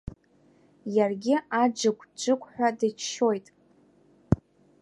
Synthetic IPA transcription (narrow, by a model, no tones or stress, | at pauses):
jarɡʲɪad͡ʒɨkʷʰʼd͡ʒʷɨkʷʼħʷᶣadɨt͡ʃʰʃo̞jtʼ